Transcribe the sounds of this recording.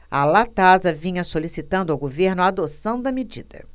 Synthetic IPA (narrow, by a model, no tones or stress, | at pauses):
ɐ̰lat̪azɐvĩɲɐsolisit̪ɐ̃nd̪ʊawɡoveɾnʊaːd̪osɐ̃w̃d̪ɐmed͡ʒḭd̪ɐ̰